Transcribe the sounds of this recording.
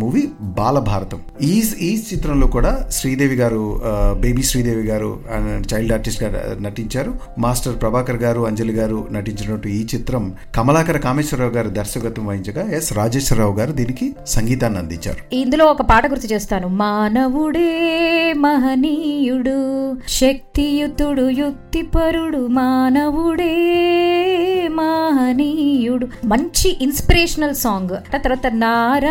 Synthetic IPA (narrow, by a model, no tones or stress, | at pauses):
muːʋibaːlɐbʱaːɾɐt̪ɐm | iːiːt͡ʃit̪ɾɐmlo̞ːkuːɽaːʃɾiːd̪eːʋiɡaːɾubeːbiːʃɾiːd̪eːʋiɡaːɾṵt͡ʃɐjlɖaːɾʈisʈɡaːnɐʈiɲt͡ʃaːɾu | maːsʈɐɾpɾɐbaːkɐɾɡaːɾuɐɲd͡ʒɐliɡaːɾunɐʈiɲt͡ʃɐnɐʈːuiːt͡ʃit̪ɾɐm | kɐmɐlaːkɐɾɐkaːmeːʃɐɾaːʋɡaːɾud̪ɐɾʃɐɡɐt̪ɐmʋɐɦiɲt͡ʃɐɡaːjesɾaːd͡ʒeːʃɾɐɾaːʋuɡaːɾud̪iːnikisɐŋɡiːt̪aːnːɐnd̪ḭɲt͡ʃa̰ːɾuind̪ulo̞ːɔkɐpaːʈɐɡuɾt̪it͡ʃeːst̪aːnumaːnɐʋuɽeːmɐɦɐniːjuɽuʃɐk̚t̪ijut̪uɽujukt̪ipɐɾuɽumaːnɐʋuɽeː | maɦɐniːjuɽumɐɲt͡ʃiʔinspiɾeːʂɐnɐlsaːŋɡɐʈːaːt̪ɐɾʋaːt̪ɐnaːɾɐ